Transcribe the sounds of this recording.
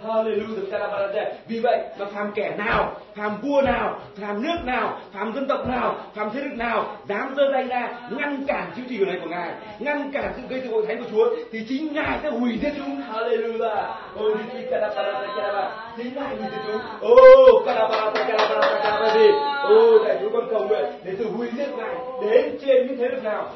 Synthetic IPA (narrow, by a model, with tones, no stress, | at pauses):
haː˧le˨˩lu˧t̪ɨ˨˦ka˧laː˧ɓaː˧laː˧zaː˧˩vi˨˩və̰˧˨jʔkɔ˨˩nfaː˧˩mkɛ˧˩naː˨˩wfaː˨˩mvu˧ənaː˨˩wfaː˨˩mnɨ˦˥ək̚naː˨˩wfaː˨˩mzə˧nt̪ə˨˩wk͡p̚naː˨˩wfaː˨˩mt̪ʰe˨˦˥lɨ˨˩k̚naː˨˩wzaː˨˦mzəː˧za˧˩jzaː˧ŋa˧nkaː˧˩mt͡ɕɨ˨˦ŋt͡ɕi˨˩˨əː˨˩˨a˨˦jku˧˩əŋaː˨˩j | ŋa˧nkaː˧˩msɨ̰˧˨ɣə˧jt̪ɨ̰ː˨o̰˧˨t̪ʰa˨˦jŋku˧˩t͡ɕu˨˦ət̪ʰi˨˩t͡ɕï˨˦ŋ̟ŋaː˨˩jsɛ̰˧˥hwi˧˩zi˧˥t̚kɨ˨˦haː˧˩le˧lu˧zaː˧˩ | ʔo˧˩ɗi˧ki˧kaː˧laː˧ɓaː˧laː˧t̪aː˨˧˩jkaː˧a˧ɓaː˧ | t͡ɕï˨˦ŋ̟la̰ː˧˨jŋɨ˨˩t̪i˨˩ŋ̚ɨ˨˦ | ʔo˧˩kaː˧laː˧ɓaː˧t̪aː˧˩jkaː˧laː˧ɓaː˧˩aː˧˩aː˧ɓaː˧ze˧˩ʔo˧˩naː˧˨˩jt͡ɕu˨˦kɔ˧˦nkə˨˩wwḛ˧˨ɗe˧˩t̪ɨ˨˧˩hwi˧˩zi˧˦ət̚ŋaː˨˩j | ɗe˨˦nt͡ɕe˧nɲɨ̰˧˥t̪ʰe˨˦lɨ˨˩knaː˨˩w